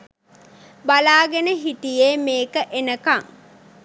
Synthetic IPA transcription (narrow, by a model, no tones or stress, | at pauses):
balaːɡenəɦit̪ijeːmeːkəʔenəkaŋ